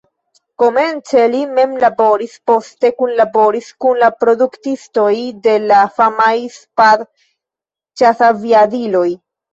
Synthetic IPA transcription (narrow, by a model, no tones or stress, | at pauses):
ko̞me̞nt͡se̞lime̞mlabo̞ɾispo̞ste̞kunlabo̞ɾiskunlapɾo̞duktisto̞jde̞lafamajspaɾ | t͡ʃasaviadilo̞j